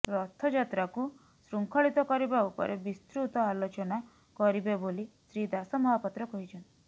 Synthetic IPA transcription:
ɾɔt̪ʰːɔd͡ʒat̪ɾaku | sɾuŋkʰɔɭit̪ɔkɔɾibaupɔ̰ɾʔebist̪ɾut̪ɔalot͡ʃɔna | kɔɾibebolisɾid̪asɔmɔɦapɔt̪ɾɔkɔɦit͡ʃʰɔnt̪i̥

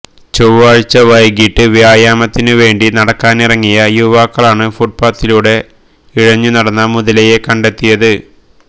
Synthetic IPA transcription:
t͡ɕoʋaːɻt͡ɕːɐʋɐjɡiʈːɨʋijaːjaːmɐt̪ːinɨʋe̞ːɳɖinɐɽɐkːaːnirɐŋːijɐjuʋaːkːɐɭaːɳɨfuʈ̚paːt̪ːiluːɽe̞ | iɻɐɲːunɐɽɐnːɐmuðɐleje̞kɐɳɖe̞t̪ːijɐðɨ

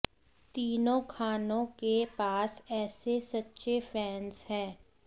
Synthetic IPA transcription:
t̪iːnõkʰaːnõkepaːsɛːsesɐtːʃefɛːnshɛ̃ː

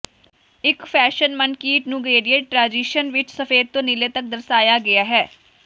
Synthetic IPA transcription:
ɪkfʰɛːʃənmənkiːʈnũːɡeːɾieʈʈɾaːd͡ʒiːʃənʋɪt͡ʃsəfeːd̪̚t̪õːnɪleːt̪ək̚d̪əɾsaːjaːɡɪaːɦɛː

